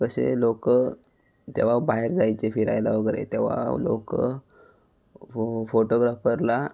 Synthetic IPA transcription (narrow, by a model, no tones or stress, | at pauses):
kəɕḛlokə | t̪eʋ̤abaɦeɾd͡zajt͡sefiɾajlaʋəɡəɾḛt̪eʋ̤a̰lo̰kə | foʈoɡɾafəɾla